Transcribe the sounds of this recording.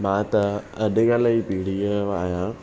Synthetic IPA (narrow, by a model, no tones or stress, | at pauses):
mãːt̪ɐɐɗɪɡaːlaipiːɽieaːɦjã